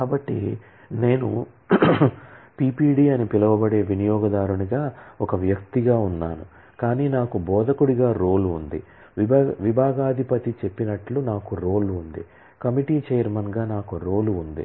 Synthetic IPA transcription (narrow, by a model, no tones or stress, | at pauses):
kaːbɐʈːḭ | ne̞ːnu | piːpiːɖiːɐnipilɐʋɐbɐɽe̞ːʋinijɔːɡɐd̪aːɾuɳiɡaːɔkɐʋjɐkt̪iɡaːunːaːnu | kaːniːnaːkubɔːd̪ʱɐkuɽiɡaːɾoːluːnd̪ḭ | ʋibʋibʱaːɡaːd̪ʱipɐt̪it͡ʃe̞pːinɐʈlunaːkuɾo̞ːluund̪i | kɐmiʈiːt͡ʃejɐɾmɐnɡaːnaːkuɾo̞ːluːnd̪ḭ